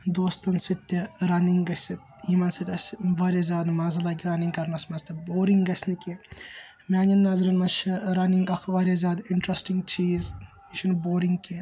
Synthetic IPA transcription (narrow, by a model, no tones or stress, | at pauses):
d̪oːst̪ɐnsit̪ʲːɐɾɐniŋɡɡɐsʲit̪ | iːmɐnsit̪ʲɐsʋɐɾʲɐzʲjaːd̪mɐzɐlɐːɡʲɾɐniŋkɐɾnɐsmɐzt̪ʰɐboːɾiŋɡɡɐsʲnikʲi | mʲaːnʲɐnːɐzɾɐnmɐnt͡ʃʰiɾɐniŋɡɐkʰʋɐɾʲizʲaːd̪ɪɳʈɾɐsʈiŋɡt͡ʃiːz | t͡ʃʰinboːɾiŋɡki